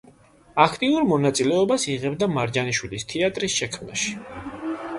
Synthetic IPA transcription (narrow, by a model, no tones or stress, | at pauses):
akʰt̪ʼiuɾmɔnat̪sʼilɛɔbasiʁɛbd̪amaɾd͡ʒaniʃwilist̪ʰɛat̪ʼɾisʃɛkʰmna̰ʃi̥